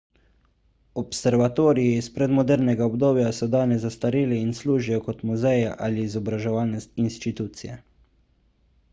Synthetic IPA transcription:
ɔpsɛɾʋat̪oːɾijiispɾɛd̪mɔd̪ɛɾnɛɡaɔbd̪oːbjasɔd̪aːnɛzast̪aɾiːlɛinsluːʒijɔkɔt̪muzɛja̰ʔaliːzɔbɾaʒɛʋaːlnɛst̪inst̪it̪uːt̪sijɛ̰

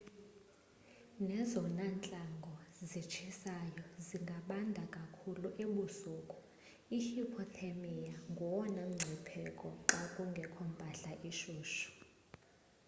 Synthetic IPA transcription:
nɛzɔnant͡ɬʼaŋɡʱɔzit͡ʃʰisajɔziŋɡʱaɓandʱakʼakʰuluʔeɓuzuːkʼu̥ | ihipʰɔtʰamijaŋɡʱɔwɔnam̩ŋ͡ǀʱipʰɛkʼɔakʼuŋɡʱɛkʰɔmbʱaɬaʔiʃuːʃu̥

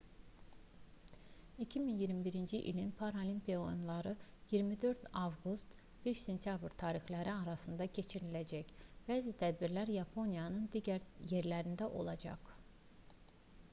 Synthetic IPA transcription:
icʰiminjiɾmibiɾind͡ʒiʔḭlinpʰɑɾolʲimpʰionlˠɑɾɯjiɾmid̪ø̞ɾt̪ɑvɡust̪ | b̥eʃse̞nt̪ʰijɑbɾt̪ʰɑːɾixlæɾiɑɾɑsɯnd̪ɑcʰe̞t͡ʃʰiɾilæd͡ʒæcb̥æːzit̪ʰæd̪̚biɾlæɾjɑpʰo̞nijɑnɯnd̪iɟæɾje̞ɾlæɾind̪æʔo̞̰lˠɑd͡ʒɑ̰q

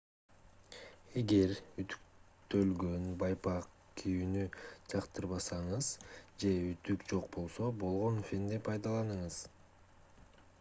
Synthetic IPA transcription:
e̞ɡe̞ɾyt̪y̥k | t̪ø̞lɡønbɑjpɑq | kʰijynyd͡ʒɑqt̪ɯɾβɑsɑɴɯzd͡ʒe̞yt̪ykd͡ʒo̞q̚bo̞lˠso̞bo̞lˠʁo̞nfʲind̪ipʰɑjd̪ɑlˠɑnɯɴɯz

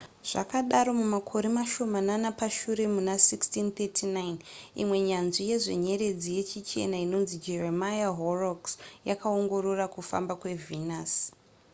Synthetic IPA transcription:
ʐ̥a̰kaɗaɾo̞mumakʰo̞ɾemaʃo̞mananapaʃuɾe̞munasikstint̪etʰinajnḭmwe̞ɲanʐije̞ʐe̞̰ɲe̞ɾe̞d͡zije̞t͡ʃit͡ʃe̞̰naino̞nzid͡ʒe̞remajaɦoroksjakao̞ŋɡo̞ɾo̞rakufa̰mbakwe̞vʱinas

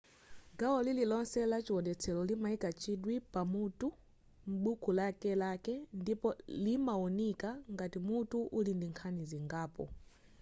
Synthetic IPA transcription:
ɡawɔlililɔnsɛlat͡ʃiwɔdɛt͡sʰɛlɔlimaikat͡ʃiɗwipamutu | m̩ɓukulakɛlakɛndipɔlimaɔnikaŋɡatimutuʔulindiŋkʰaniziŋɡaːpɔ̰

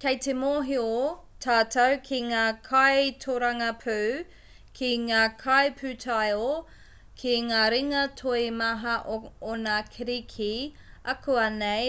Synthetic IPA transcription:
kejtemoɦiotʰaːtʰɐwkʰiŋaːkʰajtʰoɾɐŋɐpʰʉw | kʰiŋaːkʰajpʰʉtʰɐjo | kʰiŋaːɾiŋɐtʰoimɐɦɐʔoonɐkʰiɾikʰi | ɐkʰuɐnej

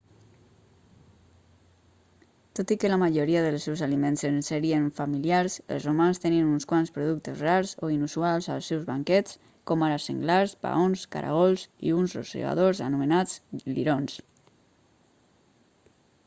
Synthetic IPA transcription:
t̪ot̪ikəlamaʒoɾiaðəlˠsɛwzalimensənsəɾiənfamiliaɾsə̰lˠzrumanst̪ɛniənunskwanspɾuðuk̚t̪əzreaɾzoinusualˠza̰lˠsɛwzβaŋkɛt͡s | kɔmaɾasə̰ŋɡlaɾsba̰onska̰ɾa̰ɣɔlˠsḭunzro̰sḭɣa̰ðozə̰numənad͡zlḭɾons

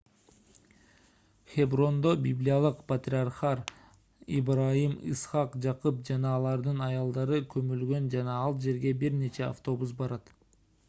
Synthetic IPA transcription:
χʲebro̞nd̪obʲiblʲijɑlˠɯqpɐt̪rʲiarχɑɾ | ḭbrajimḭsχɑqd͡ʒɑqup̚d͡ʒɑnɑːlˠɑɾd̪ɯnɑjɑlˠd̪ɑɾɯkʰɵmylɡø̞nd͡ʒɑnɑɑlˠd͡ʒe̞ɾɡe̞biɾne̞t͡ʃʰe̞a̰ft̪o̞busbɑɾɑt̪

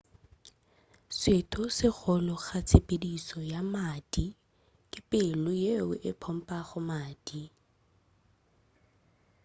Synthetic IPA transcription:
swetʰʊsɪk͡xʰɔlɔχat͡sʰepʼedisɔjamadi | kʼɪpʼɪlʊjeʊʔɪpʰɔm̩pʼaχʊmaːd̥i

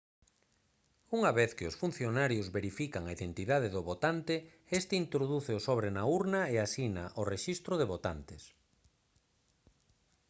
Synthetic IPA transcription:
uŋaβeθkɪʊsfun̟θjonaɾjʊzβeɾifikaŋaiðent̪iðað̞eðʊβot̪ant̪ɪ | est̪ɪint̪ɾoðuθɪosoβ̞ɾenauɾnɐeasinaʔoreʃist̪ɾʊðeβot̪ant̪ɪs

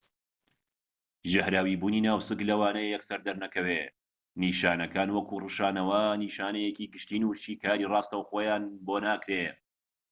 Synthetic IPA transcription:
ʒɪhɾaːwiːbuːniːnaːwsɨklɐwaːnɐjjɛksɐɾd̪ɐɾnɐkɐwe | niːʃaːnɐkaːnwɐkuːrɨʃaːnɐwɐniːʃaːnɐjekiːɡɨʃt̪iːnuːʃiːkaːɾiːrɑːst̪ɐwxoːjaːnboːnaːkɾe

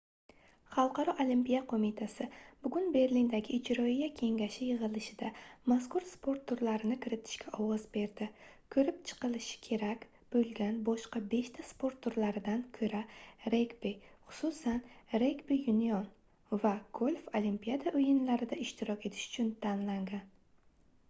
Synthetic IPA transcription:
χɑlˠqɑɾɒʔolimpijaqʰomɪt̪ʰasɪbʊɡʲʊnbe̞ɾlind̪aɡʲɪːd͡ʒɾɒijakʲʰe̞ŋɡʲaʃɪjɨʁɨlˠɪʃɪd̪amaskʊɾspʰo̞ɾt̪ːʊɾlaɾɪnɪkʲʰɪɾɪt̪ʰɪ̥ʃkʲʰaʔɒwɒzbe̞ɾd̪ɪ | kʰɵɾɪp̚t͡ʃʰɨ̥qɨlˠɪʃɪ̥kʲʰe̞ɾakʲ | b̥ɵlɡʲanbɒʃqɑbe̞ʃt̪ʰaspo̞ɾt̪ːʊɾlaɾɪd̪ankʰɵɾaɾekbiχʊ̥susanɾe̞kbijʊnijɒn | vaɡ̥ʰolʲfolimpijad̪aʔɵjɪnlaɾɪd̪aɪʃt̪ʰɪɾɒkʲe̞t̪ʰɪ̥ʃʊ̥t͡ʃʰʊnt̪ʰanlaŋd̪ɪn

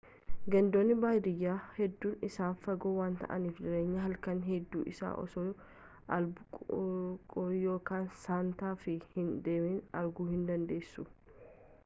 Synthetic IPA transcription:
ɡɐnd̪oːnːɪbaːjd̪ɪjːaːhɛd̪ːuːnɪsaːnfɐɡoːwaːnt̪ɐ̰ʔɐ̰niːfd͡ʒɪɾeːɲːɐɦɐlkɐnɦɛd̪ːuːʔɪ̰sa̰ːʔɔ̰soː | ɐlbʊ | kʼɔɾjo̞ːkaːnsaːnt̪aːfɪhɪnd̪eːminɐɾɡuːhɪnd̪ɐnd̪e̞ːsːʊ

